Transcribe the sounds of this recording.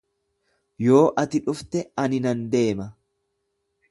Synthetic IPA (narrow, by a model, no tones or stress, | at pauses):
jo̞ːʔɐt̪ɪᶑʊft̪ɛɐnɪnɐnd̪e̞ːmɐ